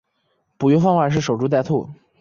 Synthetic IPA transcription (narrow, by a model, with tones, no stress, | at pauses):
pu˨˩ɥy˥fɑ˥˧ŋwa˥˩nʂ̬ɻ̩˥˩ʂo˨˩ʊʈ͡ʂu˥t̪̬a˥˧t̪ʰu˥˩